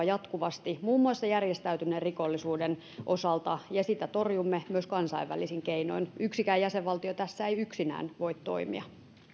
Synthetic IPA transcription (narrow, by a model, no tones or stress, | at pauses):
jɑt̪kuʋɑst̪imuːmːuɑsːɑjærjest̪æyt̪ynːerrikolːisuːden | ʔosɑlt̪ɑjɑsit̪æt̪orjumːemyøskɑnsɑ̰iʋʋæ̰lisiŋkeino̰inyksikæːjjæseʋʋɑlt̪iot̪æsːæejyksinæ̰ːnʋo̞it̪to̰imḭɑ